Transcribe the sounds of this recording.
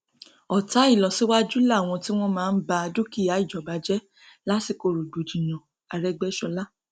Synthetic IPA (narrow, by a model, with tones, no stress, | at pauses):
ɔ˨ta˨˦i˦˨lɔ˨si˨˦wa˦d͡ʒu˦la˦˨w̃ɔ̃˧ti˦w̃ɔ̃˦mãː˦˧n̩˦ba˧do˦ki˦˨a˨˦i˦˨d͡ʒɔ˨ba˨˦d͡ʒɛ˦ | la˦ti˧˨ko˨ɾo˨du˨d͡ʒi˨j̃ɔ̃˨ | a˧ɾɛ˦ɡ͡bɛ˦ʃɔ˧la˦